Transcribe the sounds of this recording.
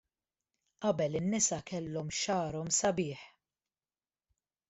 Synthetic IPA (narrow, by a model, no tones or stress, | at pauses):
ʔɐbɛlɪnːɪsɐkɛlːɔmʃɐːɾɔmsɐbɪːħ